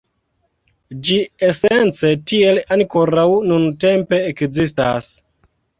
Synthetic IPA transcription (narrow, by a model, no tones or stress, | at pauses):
d͡ʒiese̞nt͡se̞tie̞lanko̞ɾawnunte̞mpe̞ːkzista̰s